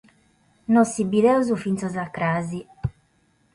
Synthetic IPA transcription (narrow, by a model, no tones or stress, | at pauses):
nɔsːibiðɛuzufint̪sɔzakːɾaːzi